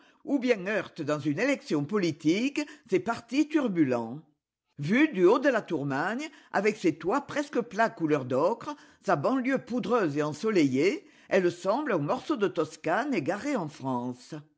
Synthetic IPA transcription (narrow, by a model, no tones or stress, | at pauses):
ubjɛ̃ŋœʁt̪əd̪ɑ̃zynelɛksjɔ̃pɔlit̪iksepaʁt̪it̪yʁbylɑ̃ | vyd̪yod̪əlat̪uʁmaɲ | a̰vɛkset̪wapχɛskəplakulœʁd̪ɔkχə | sabɑ̃ljøpud̪ʁøzeɑ̃sɔleje | ɛlsɑ̃blɛ̃mɔʁsod̪ət̪ɔskaneɡaʁeɑ̃fχɑ̃s